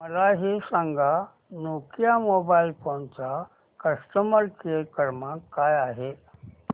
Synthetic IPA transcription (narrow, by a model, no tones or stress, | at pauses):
məlaɦisãŋɡʱa | nokjamobailfont͡sa | kəsʈəməɾkekəɾmakːajaɦe